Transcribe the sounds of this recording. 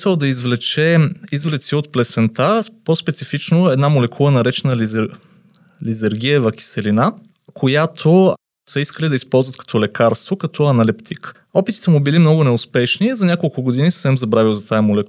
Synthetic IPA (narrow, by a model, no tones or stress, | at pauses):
t̪əlˠd̪ɐizvlɛt͡ʃɛizvlɛt̪siot̪̚plɛsɛnt̪apospɛt̪sifit͡ʃnoɛd̪namolɛkʰuvˠənɐɾɛt͡ʃɛnəl | lizɐɾɡiəvɐkʲi̥sɛlina | kʰojat̪ʰo | səiskəlid̪ɐispɔlˠzvɐt̪kɐ̥t̪ʰɔlɛkʰaɾst̪vokɐt̪ʰɔɐnɐlɛpt̪ʰik | ɔpit̪i̥t̪ɛmubilimnɔɡʊnɛʊspɛʃnizɐnʲakolˠkʊɡod̪inissɛmzɐbɾavilˠzɐt̪ajɐmolɛk